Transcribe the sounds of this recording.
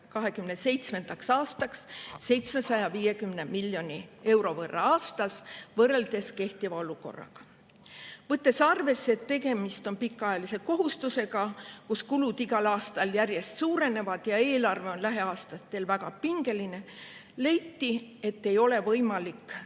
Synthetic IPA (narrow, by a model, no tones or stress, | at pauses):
kɑɦe̞kymnese̞jt̪sme̞nd̪̥ɑksɑːst̪ɑksːe̞jt̪sme̞sɑjɑviːje̞kymne̞milːjo̞nʲie̞wɾo̞vɤrːɑ̰ɑːst̪ɑsvɤrːe̞ld̪̥e̞ske̞ht̪ivɑo̞luko̞̰rːɑ̰ɡ̥ɑ̥ | vɤt̪ːˑe̞sɑrve̞sːeet̪ːe̞ɡe̞mist̪o̞npikːˑɑjɑlise̞ko̞ɦust̪use̞ɡɑkuskulud̪̥iɡ̥ɑlɑːst̪ɑljærje̞st̪suːɾe̞ne̞vɑd̪̥jɑe̞ːlɑrve̞o̞nlæɦe̞ɑːst̪ɑt̪ːˑe̞lvæɡ̥ɑpiŋɡ̥e̞line̞ | le̞jt̪ːie̞t̪ːe̞jo̞le̞vɤjmɑlikː